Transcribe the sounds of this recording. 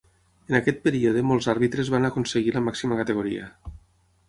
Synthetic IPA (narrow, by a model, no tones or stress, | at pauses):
enakɛt̪̚peɾioðemolˠzaɾβit̪ɾezβanakonseɣiləmaksiməkat̪eɣoɾiə̰